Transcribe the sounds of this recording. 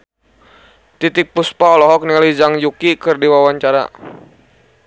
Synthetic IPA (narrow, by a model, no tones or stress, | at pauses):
t̪it̪ɪk̚puspaɔlɔɦɔk̚nɛlid͡ʒaŋjukikɨrdiwawaɲt͡ʃaɾa̰